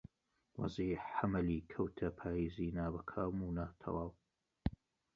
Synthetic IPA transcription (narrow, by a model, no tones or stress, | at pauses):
wɑ̰ziːħħamɐliːkʰɐwt̪ʰɐpʰaːjiːziːnaːbɐkʰaːmuːnaːt̪ʰɐ̰waːw